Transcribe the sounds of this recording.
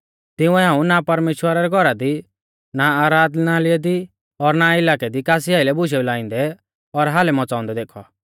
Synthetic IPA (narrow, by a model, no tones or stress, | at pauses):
t̪ɪ̃ũɛɦãːũnapɐɾmeːʃwəɾaɾɛɡʱɔɾad̪i | naaːɾaːd̪naːlɪɛd̪i | ɔɾnaɪlaːkɛd̪ikaːs̬iaːɪlɛbʊʃ̬ɛulaːĩnd̪ɛ | ɔɾɦaːlɛmɔt͡sãːɔ̃nd̪ɛd̪eːkʰɔ